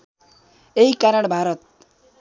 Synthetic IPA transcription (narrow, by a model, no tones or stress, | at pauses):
eɦikaɾʌɽbʱaɾʌt̪̚